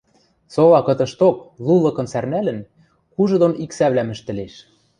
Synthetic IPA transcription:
soβɑkɤ̆t̪ɤ̆ʃt̪oklˠulˠɤ̆kɤ̆nsærnælɘ̆n | kuʒɤ̆d̪oniksæβlæmɘ̆ʃt̪ɘ̆leʃ

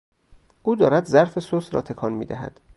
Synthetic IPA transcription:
ʔuːd̪ɒːɾæd̪zæɾfesosɾɒ̰ːt̪ʰe̞kʰɒːnmiːd̪æɦæ̰d̪̥

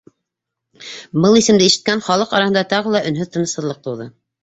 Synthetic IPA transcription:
bɤlˠisɘ̆md̪ɘiʃɘ̥̆t̪̚kænχɑlˠɤqɑɾɑhɤnd̪ɑt̪ɑʁɤlˠɑʔɵ̆nɦɵðt̪ɤ̆nɤ̆shɤ̆ðlˠɤq̚t̪ɤ̆wðɤ

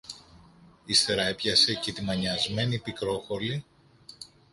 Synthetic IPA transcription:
ist̪e̞ɾɐepçɐse̞cet̪imɐɲɐzme̞nipikɾo̞xo̞ɾli

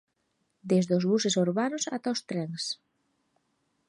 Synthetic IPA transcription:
d̪ezðozβusesuɾβanosat̪aost̪ɾeŋs

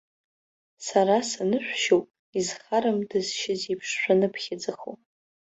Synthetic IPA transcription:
saɾasanɨʃᶣʷʃowpʼ | izχaɾɨmdɨzʃɪzipʰʂʃʷᶣanɨpʰχʲad͡zaχo̰p

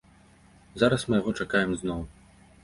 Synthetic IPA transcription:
zaɾɐsmɨjaɣɔt͡ʂakajɛmznɔw

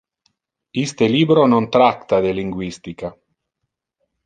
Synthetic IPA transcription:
ist̪eliːbɾonont̪ɾakt̪ad̪eliŋɡwist̪ika

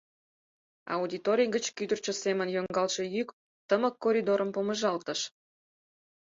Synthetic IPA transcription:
ɑ̰ud̪ʲit̪oɾʲijɡət͡ɕkyd̪ərt͡ɕosemənjoŋɡɑlʃĕjyk | t̪əməkːoɾʲid̪oɾəmpoməʒɑlt̪ə̆ʃ

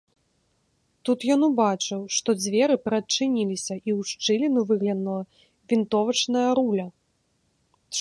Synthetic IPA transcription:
t̪ut̪jɔnubat͡ʂɨwʂt̪ɔd͡zʲvʲɛɾɨpɾɐt͡ʂɨnʲilʲisʲɐʔiwʂt͡ʂɨlʲinuvɨɣlʲɐnulˠɐ | vʲint̪ɔvɐt͡ʂnɐjɐɾulʲɐ

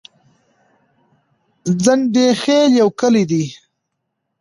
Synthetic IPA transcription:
zənɖexeljawkəlid̪i

